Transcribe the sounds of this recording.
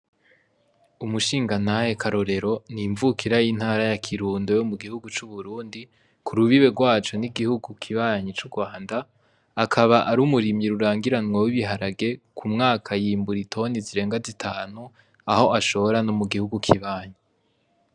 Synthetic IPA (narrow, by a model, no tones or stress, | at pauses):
umuʃiːŋɡanajekʰaɾo̞ɾe̞ɾo̞niɱvukʰiɾajin̥haːɾajakʰiɾuːndojomuɡihuɡut͡ʃuβuɾuːndi | kʰuɾuβiβe̞ɡwaːt͡ʃo̞niɡihuɡukʰiβaːɲit͡ʃuɡwaːndaː | kʰaβaʔaɾuːmuɾimjiɾuɾaːŋɡiɾanwawiβiɦaɾaɡe̞kʰumŋaːkʰajiːmbuɾitʰo̞niziɾe̞ːŋɡazitʰaːn̥u | aho̞ʔaʃo̞βoɾanomuɡihuɡukʰiβaːɲi